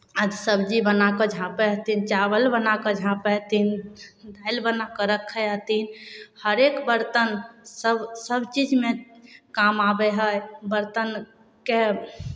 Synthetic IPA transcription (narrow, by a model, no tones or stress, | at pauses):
ad̪səbd͡ʒibənakɔd͡ʒʱãpɛɦət̪int͡ʃabəlbənakɔd͡ʒʱãpɛɦt̪ind̪ajlbənakəɾəkʰːəɦət̪inhəɾekbəɾt̪ənsəbsəbt͡ʃid͡ʒmekamabɛɦəjbəɾt̪ən | ke